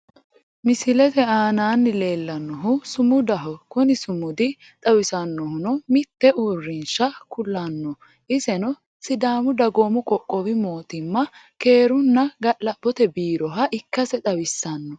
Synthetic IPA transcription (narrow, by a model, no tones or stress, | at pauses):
mɪsɪlɛt̪ɛaːnaːnːɪle̞ːlːɐnːɔɦʊsʊmʊd̪ɐɦɔkʊnɪsʊmʊd̪ɪ | t̪ʼɐwɪsɐnːɔhʊnɔmɪt̪ːɛʔuːrːɪnʃɐkʊlːɐnːɔ | ʔɪsɛnɔ | sɪd̪aːmʊd̪ɐɡoːmʊkʼɔkʼːɔwɪmo̞ːt̪ɪmːɐke̞ːɾʊnːɐɡɐʔlɐb̥ːɔt̪ɛbiːɾɔɦɐʔɪkːɐsɛt̪ʼɐwɪsːɐnːɔ